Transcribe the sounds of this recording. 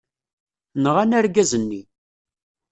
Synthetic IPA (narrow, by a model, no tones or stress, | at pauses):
nʁanæɾɡæzənːi